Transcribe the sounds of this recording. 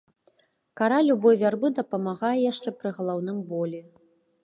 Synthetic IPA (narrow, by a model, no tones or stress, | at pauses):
kaɾalʲubɔjvʲarbɨd̪ɐpɐmaɣajɛjaʂt͡ʂɛpɾɨɣɐlˠawnɨmbɔlʲɛ